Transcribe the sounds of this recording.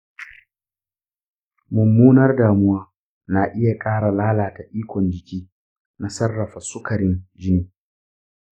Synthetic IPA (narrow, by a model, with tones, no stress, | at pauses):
mʊ˨mːuː˦nɐ˦rdaː˨mʊ˦waː˦ | na˨ʔɪ˦ja˨kʼaː˦ɽa˨laː˦laː˨ta˨ʔiː˦kʷɔ˨nd͡ʒɪ˨kʲiː˦ | na˦sɐ˦rːɐ˨ɸa˨sʊ˦kɐ˨ɽɪ˦nd͡ʒɪ˦niː˦